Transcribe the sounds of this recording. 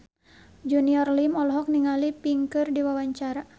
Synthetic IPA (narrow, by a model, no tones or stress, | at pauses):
d͡ʒuniɔrlimɔlɦɔk̚niŋalipiŋkɨrdiwawaɲt͡ʃaɾa